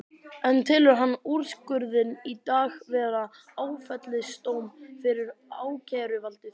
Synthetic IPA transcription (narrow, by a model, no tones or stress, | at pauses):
ɛnt̪ʰɪːlʏɾɦanːuɾ̥skʏɾðɪnit̪aːɣvɛːɾa | aːwfɛt̪lɪst̪oːwmfɪɾɪɾaːwcʰɛːɾʏvalt̪ɪθ